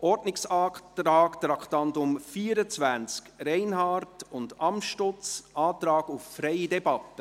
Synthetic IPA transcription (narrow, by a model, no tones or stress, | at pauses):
ʔɔɾdnɪksɑːktɾɑːkt̪ɾɑkχtɑntʊmfiːəɾət͡svænt͡skɾɛɪnhɑːrtʊndɑmʃtʊt͡sʔɑːt̪ɾɑːɡufːɾɛjidɛbɑtːə